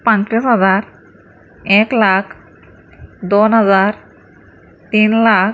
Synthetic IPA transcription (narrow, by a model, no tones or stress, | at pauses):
pãnt̪ɾisɦəd͡zaɾ | eklakʰ | d̪onɦəd͡zaɾ | t̪inlak